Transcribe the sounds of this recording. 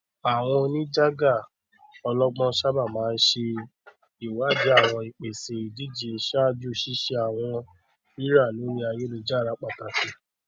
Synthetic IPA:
a˨w̃ɔ̃˧nĩ˦d͡ʒa˦ɡa˦˨ | ɔ˧lɔ˦ɡ͡bɔ̃˦˧ʃa˦ba˦˨mãː˨˦˧n̩˦ʃe˧ | i˨wa˨˦di˨˦a˦˨w̃ɔ̃˧i˨k͡pe˨se˨i˨di˦d͡ʒi˨e˧ʃa˦˧d͡ʒu˦˨ʃi˦ʃe˧a˨w̃ɔ̃˧ | i˦ɾa˦˨lo˨˦ɾĩ˦a˧je˦lo˧d͡ʒa˦˨ɾa˨˦k͡pa˦˨ta˨si˨˦˨

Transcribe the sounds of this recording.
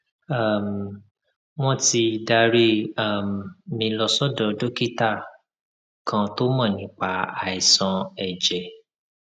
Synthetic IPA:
a˦˨m˨ | w̃ɔ̃˦ti˧˨da˧ɾi˦a˨m˨mĩ˧lɔ˧sɔ˦dɔ˨˧do˦ki˦ta˦˨ | kʰã˧to˦mã˦˨nĩ˨˦k͡pa˧˦a˨i˨sã˨˧ɛ˨d͡ʒɛ˨

